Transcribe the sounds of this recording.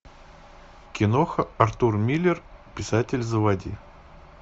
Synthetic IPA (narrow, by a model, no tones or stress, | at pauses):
kʲɪnoxəɐrt̪urmʲilʲːɪrpʲɪsatʲɪlʲzəvɐdʲi